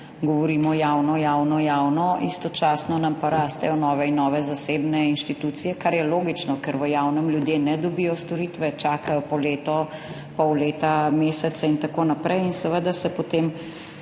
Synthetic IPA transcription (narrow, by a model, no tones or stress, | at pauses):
ɡɔʋɔɾiːmɔjawnɔjawnɔjawnɔist̪ɔt͡ʃaːsnɔnampaɾaːst̪ɛjɔnɔːʋɛinːɔːʋɛzaseːbnɛinʃt̪it̪uːt̪sijɛkaɾjɛloːɡit͡ʃnɔkəɾʋəjaːwnɛmljud̪jeːnɛd̪ɔbiːjɔst̪ɔɾiːt̪ʋɛt͡ʃaːkajɔpɔleːt̪ɔ | pɔwleːt̪ameːsɛt̪saint̪akoːnapɾʔɛjinsɛʋəd̪asɛpot̪em